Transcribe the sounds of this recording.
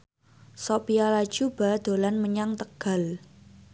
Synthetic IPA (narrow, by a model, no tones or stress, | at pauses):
sopialḁd͡ʒ̥ub̥a̤d̪̥o̤lanməɲaŋt̪əɡ̥a̤l